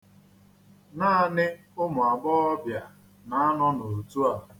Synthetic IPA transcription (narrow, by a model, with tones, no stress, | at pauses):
naː˦a˨nɪ˦ | ʊ˦mʊ˨a˨ɡ͡bɔ˦ɔ˦bja˨ | na˨˦a˦nɔ˦no˨tu˦a˨